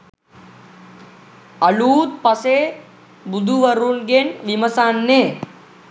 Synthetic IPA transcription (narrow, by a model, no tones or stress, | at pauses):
ɐɭuːt̪̚pɐseː | bud̪ʱuʋɐɾunɡenʋimɐsanːe